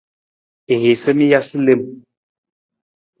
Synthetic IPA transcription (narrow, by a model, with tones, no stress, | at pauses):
e˨ɦe˨sə˦mi˦ja˦si˦le˦m